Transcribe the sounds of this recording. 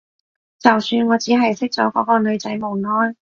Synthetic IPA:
t͡sɐ˨wsyː˧nŋɔː˨˧t͡siː˨˥ɦɐ˨jsɪ˥k̚t͡sɔ̰ː˨˥kɔː˨˥kɔː˧nɵ˨˧ɥt͡sɐ˨˥jmo˨˩wnɔː˥n

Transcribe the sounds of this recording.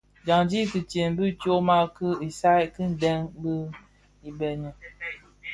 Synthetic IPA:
d͡ʒa˨ŋd͡ʒi˦ki˨t͡ʃe˨m˦bi˦tjo˦ma˦kə˦i˨sa˦kə˦n̩˨dɛ˦ŋbə˦ | i˨bɛ˨ɲə˨

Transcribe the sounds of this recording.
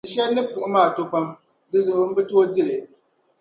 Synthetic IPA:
ɨ˨ʃɛ˦nɨ˦pu˨ʔʊ˦maː˦˨to˦ka˦m | dɨ˦zʊ˨ʔɨ˦m̩˦bɨ˦to˦o˦di˦lɨ˨

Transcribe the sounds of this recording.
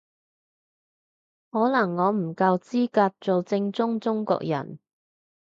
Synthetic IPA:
hɔː˨˥lɐ˨˩ŋːɔː˨˧m̩˨˩kɐ˧wt͡siː˥kaː˧t̚t͡so˨wt͡sɪ˧ŋt͡sʊ˥ŋt͡sʊ˥ŋkɔ̰ː˧k̚jɐ̰˨˩n

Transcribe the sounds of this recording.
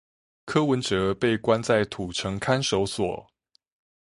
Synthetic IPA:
kʰɤ˥wə˨˦nʈ͡ʂɤ˨˦pe˥˩ɪkwa˦nt͡sa˥˩ɪt̪ʰu˨˩ʈ͡ʂʰɤ˧˥ŋkʰa˥nʂo˧˥ʊswɔ̰˨˩˦

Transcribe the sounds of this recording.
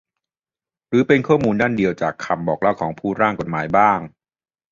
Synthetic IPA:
ɾɯː˩˦pe˧nkʰɔː˥˩muː˧ndaː˥˩ndi˧əwt͡ɕaː˨˩kʰːa˧mbɔː˨˩k̚laː˦˥˩wkʰɔː˩˦ŋpʰuː˥˩ɾaː˥˩ŋko˨˩t̪̚maː˩˦jbaː˥˩ŋ

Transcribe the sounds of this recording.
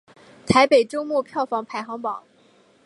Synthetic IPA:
t̪ʰa˧˥ɪpe˨˩ɪʈ͡ʂo˥ʊmwɔ˥˧pʰjɑ˥˩ʊfɑ˧˥ŋpʰa˧˥ɪxɑ˧˥ŋpɑ˨˩˦

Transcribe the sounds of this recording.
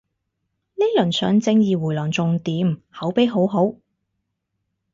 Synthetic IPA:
ni˥lɵ˨˩nsœː˨˥ŋt͡sɪ˧ŋjiː˨wu˨˩jlɔː˨˩ŋt͡sʊ˨ŋt̪iː˨˥mhɐ˨˥wpe˨˥jɦo˨˥wɦo˨˥w

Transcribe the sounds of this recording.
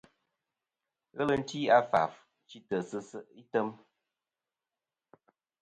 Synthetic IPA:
ɣə˦lə˨n̩˦ti˦a˦fa̰˨f | t͡ʃi˦tə˨sə˦sə˦i˦tə˦m

